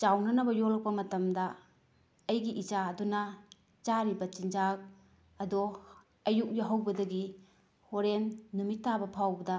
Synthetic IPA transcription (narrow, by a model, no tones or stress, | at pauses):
t͡ʃawnɐnɐbɐjolɐk̚pɐmɐtɐmdɐː | jɡiʔid͡ʒaɐdunɐ | t͡ʃaɾibɐt͡ʃind͡ʒak̚ | ɐdɔ | ɐjuk̚jaɦɐwbɐdɐɡi | hoɾenːumitːabɐpʰawbɐdɐ